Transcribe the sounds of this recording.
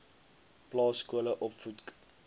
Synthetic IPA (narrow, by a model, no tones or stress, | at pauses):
plɑːskuələʔɔpfut